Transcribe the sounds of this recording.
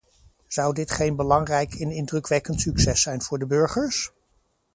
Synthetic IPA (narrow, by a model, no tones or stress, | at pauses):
z̥ʌwdɪtχejnbəlɑŋrɛjkʰɪnɪndrɵkʋɛkəntsyksɛsɛjnv̥ʊːɹdəbɵɹχəɹs